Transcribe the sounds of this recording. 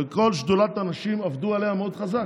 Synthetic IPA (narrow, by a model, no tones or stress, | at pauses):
eko̞lʃd̪ulat̪anaʃimavd̪ualehameod̪̥χazak